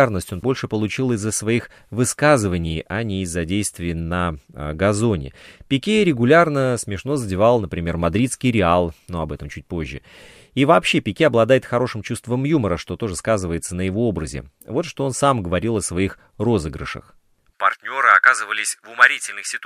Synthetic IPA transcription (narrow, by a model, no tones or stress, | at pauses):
rnəsʲtʲo̞nbo̞lʲʂɨpəlˠʊt͡ɕilˠɪzːəsvɐix | vɨskazɨvənʲɪjɐnʲɪːzːɐdʲejst̪vʲɪjənəɡɐzo̞nʲɪ̰pʲɪkʲeɾʲɪɡʊlʲarnəsmʲɪʂno̞zədʲɪvalˠnəpɾʲɪmʲe̞rmɐd̪ɾʲit̪skʲɪjɾʲɪalˠnuɐbɛt̪əmt͡ɕʉt̚ʲpo̞ʑːɪ̰ | ivɐːpɕːe̞pʲɪkʲeɐblˠɐd̪ajɪt̪xɐɾo̞ʂɨmt͡ɕust̪vəmjuməɾəʂt̪o̞t̪o̞ʐɨskazɨvəjɪt̪sənəjɪvo̞o̞bɾəzʲɪ̰ | vo̞t̪ʂt̪o̞o̞nsamɡəvɐɾʲilˠɐsvɐix | ro̞zɨɡɾɨ̰ʂə̰x | pɐ̰rt̪ʲnʲo̞ɾɨɐkazɨvəlʲɪsʲvʊmɐɾʲitʲɪlʲnɨxsʲɪt̪